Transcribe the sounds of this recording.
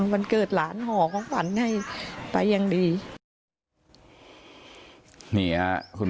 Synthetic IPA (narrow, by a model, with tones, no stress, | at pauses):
ma˧nkɤː˨˩t̪̚laː˨˩˦nhɔː˨˩˦kʰɔː˨˦ŋfa˨˩˦nha˥˩jpa˧jːa˧ŋdiː˧ | ni˨˩˦ɐkʰu˧